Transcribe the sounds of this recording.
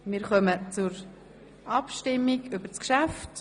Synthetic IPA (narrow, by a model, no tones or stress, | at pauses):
mɪɾχœmət͡sʊɾ | ʔɑpʃtɪmːiɡʏbəskʃæft